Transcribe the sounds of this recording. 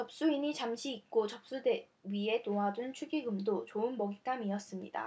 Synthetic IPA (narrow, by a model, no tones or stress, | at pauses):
t͡ɕʌp̚s͈uiɲit͡ɕamɕʰiik̚k͈ot͡ɕʌp̚s͈ude | ɥie̞toɦad͡ʑunt͡ɕʰuɡiɡɯmdot͡ɕoɯnmʌɡit͈amiʌs͈ɯmɲḭda̰